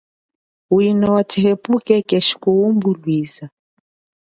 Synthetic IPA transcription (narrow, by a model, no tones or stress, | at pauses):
winɔwatʰɛɦɛpukɛkɛʃi̥kuumbulwiza